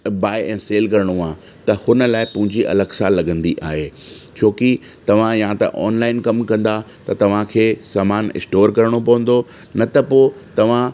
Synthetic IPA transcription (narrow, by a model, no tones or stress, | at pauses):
baːɪʔɛ̃ːseːlkɐɾɪɽ̃oãː | t̪ɐhʊnə̆laːɪpʊ̃ɦɪ̃ɲd͡ʑiʔɐ̰ləɡsaːlːɐɡə̃nd̪iʔa̰ːɦeː | t͡ɕʰoːki | t̪ɐʋ̤ãjãt̪ɐ̰ʔɔ̰ːnlaːɪnkɐmkɐ̃nd̪a | t̪ɐt̪ɐʋ̤ãkʰeːsaːmaːnɪ̰sʈoːɾkɐɾɪɽ̃opɐʋə̃n̆d̪o | nɐt̪ɐpoːt̪ɐʋ̤ã